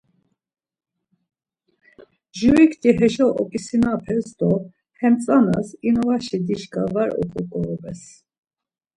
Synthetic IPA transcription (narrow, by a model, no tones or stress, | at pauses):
ʒuikʰt̪ʰʼiɦɛʃɔɔkʼisinapʰɛsd̪ɔ | hɛmt͡sʼanasinɔvaʃid̪iʃkʼavaɾɔ̰kʼɔkʼɔɔbɛs